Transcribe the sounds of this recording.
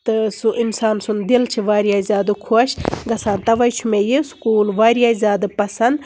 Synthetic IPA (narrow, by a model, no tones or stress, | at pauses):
t̪ɨsuʔinsaːnsund̪ilt͡ʃʰiʋaːɾijaːizʲaːd̪ɨkʰoʃɡɐsaːnt̪ɐʋɐjt͡ʃʰumejiskuːlʋaːɾijaːizʲaːd̪ɨpɐsɐnd̪